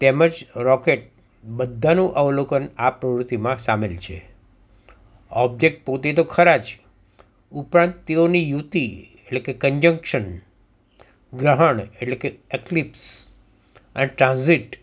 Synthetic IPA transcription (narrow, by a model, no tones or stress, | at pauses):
t̪eməd͡ʒɾɔkeʈ̚ | bəd̪ʱːanũʔəʋlokənapɾəʋɾut̪ːimãsamelt͡ʃʰḛ | ɔb̚d͡ʒek̚ʈ̚pot̪et̪okʰəɾat͡ʃ | upɾãnt̪t̪eonijut̪i | eʈlekekəɲd͡ʒə̃ŋkʃən | ɡɾəɦəɳeʈlekeeklips | əneʈɾãnziʈ